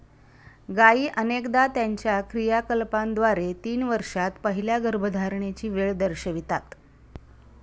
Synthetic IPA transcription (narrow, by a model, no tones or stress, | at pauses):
ɡaiːʔənekd̪at̪jaɲt͡ɕjakɾijakəlpand̪ʋaɾet̪iːnʋəɾʂat̪pəɦiljaɡəɾbʱəd̪ʱaɾɳet͡ɕiːʋeɭd̪əɾɕəʋit̪at̪